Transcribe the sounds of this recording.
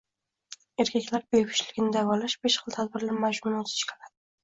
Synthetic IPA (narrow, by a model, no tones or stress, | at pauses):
eɾkʲʰakʲlaɾbejpɪ̥ʃlɪɡʲɪnɪd̪avɒlaʃbeʃχɨlˠt̪ʰad̪bɪɾlaɾmad͡ʒmʊnot̪ʰɪ̥ʃkʲʰɪ̥lad̪ɪ